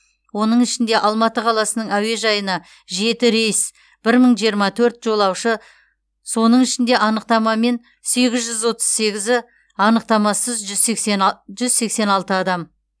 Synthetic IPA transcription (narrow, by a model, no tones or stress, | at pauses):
wo̞nəɴɪʃɪnd̪e̞ʔɑlˠmɑt̪əqʰɑlˠɑsənəɴæwe̞ʒɑjənɑ | ʒe̞t̪ɪɾe̞js | b̥ɪɾməɴʒijəɾmɑt̪ʰɵɾt̪ʒo̞lˠɑwʃə | so̞nəɴɪʃɪnd̪e̞ʔɑnəq̚t̪ɑmɑme̞n | se̞ɡʲɪzʒʏzwo̞t̪ə̥zse̞ɡʲɪzɪ | ɑnəq̚t̪ɑmɑsəzʒzkʒʏzse̞kse̞nɑlˠt̪əɑd̪ɑm